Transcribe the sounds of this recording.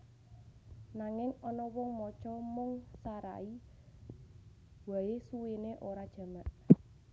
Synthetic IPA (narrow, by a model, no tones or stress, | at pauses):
naŋɪŋɔnɔwɔŋmɔt͡ʃɔmʊŋsaɾa̰i | waesuwineʔoɾad̥ʒ̥ä̤maʔ